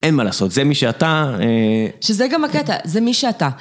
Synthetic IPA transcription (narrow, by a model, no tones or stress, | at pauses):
ʔenmalaːso̞t̪zemiʃeat̪aeʃezeɡamhaket̪a̰zemiʃeat̪a